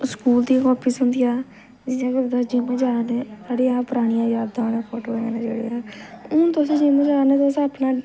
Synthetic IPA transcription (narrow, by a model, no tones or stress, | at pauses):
skuːld̪iːkɔːpʰiːsɦʊnd̪ijaː | d͡ʒɪãːɡəɾd̪aːd͡ʒɪmə̃d͡ʒaːnɛ̃ːsaːɽeːaːpəɾaːɽ̃ɪjãːjaːbd̪ãːnãːpʰɔːʈoːkəneːneːd͡ʒeːɽḛːaːʊ̃ːt̪ʊsẽːd͡ʒɪmə̃d͡ʒaːnɛ̃ːt̪ːsaːpnãː